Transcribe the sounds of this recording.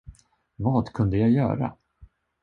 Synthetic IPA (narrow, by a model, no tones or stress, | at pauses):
vɑːd̪kʰɵnd̪əjaɡjœ̰ːɾa̰